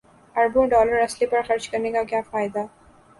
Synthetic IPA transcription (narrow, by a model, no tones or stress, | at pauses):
ɐɾbõːɖɔːləɾɐslipɐɾxɐɾd͡ʒkɐɾnekakjaːfaːjɪd̪a